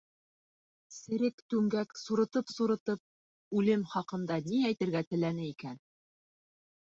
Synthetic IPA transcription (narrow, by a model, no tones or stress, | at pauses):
sɘ̆ɾɘkt̪ʉŋɡæksuɾɤ̆t̪ɤpsuɾɤ̆t̪ɤp̚ | ʉlɘmχɑqɤ̆nd̪ɑniæjt̪ɘ̆ɾɡæt̪ɘ̆lænɘikæn